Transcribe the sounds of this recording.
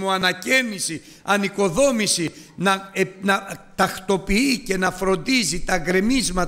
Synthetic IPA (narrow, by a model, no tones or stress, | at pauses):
muɐnɐcenisi | ɐniko̞ðo̞misinɐenɐt̪ɐxt̪o̞piice̞nɐfɾo̞nd̪izit̪ɐɡɾe̞mizmɐt̪